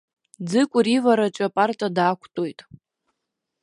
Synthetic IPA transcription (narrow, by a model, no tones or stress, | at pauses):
d͡zɨkʷʼʊrivaɾat͡ʃʼapʼartʼadaːkʷʰtʼojtʼ